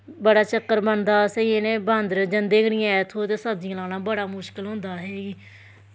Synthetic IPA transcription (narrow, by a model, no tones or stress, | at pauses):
bəɽaːt͡ʃəkːəɾbənd̪aːsəiẽːnẽːbãːnd̪ɾd͡ʒənd̪eːɡəɽɪjãːɛːt̪ʰoːt̪eːsəbd̪ɪãːlaːnãːbəɽaːmʊʃkəlɦʊ̃nd̪aːɦeːɡiː